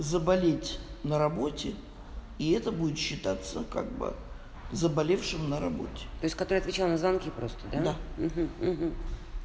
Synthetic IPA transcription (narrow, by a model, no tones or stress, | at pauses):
zəbɐlʲetʲnəɾɐbo̞tʲɪ | iɛt̪əbudʲɪt̪ɕːɪt̪at̪sːəka̰ɡ̚bɨ̰ | zəbɐlʲefʂɨmnəɾɐbo̞̰tʲɪ̥t̪o̞ɪsʲtʲkɐt̪oɾɨɐt̪vʲɪt͡ɕalˠnəzvɐnkʲipɾo̞st̪əd̪add̪am̩ɦm̩ːɦm̩